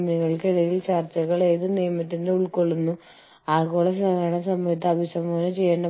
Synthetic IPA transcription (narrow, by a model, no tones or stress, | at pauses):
mɐŋːɐɭkiɽɐjilt͡ɕaːrt͡ɕɐɣɐɭe̞ːðɨnijɐmɐt̪ːindeuɭkoɭːunːu | aːkoːɭɐsɐɣaːɳɐsɐmɐjɐt̪ːɐɐbʱisɐmoːnɐt͡ɕe̞jːɐːɳɖɐ